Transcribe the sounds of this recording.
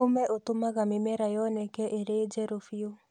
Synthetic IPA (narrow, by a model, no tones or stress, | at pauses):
omɛʔotomaɣamemɛɾajɔnɛkɛʔeɾed͡ʒɛɾofio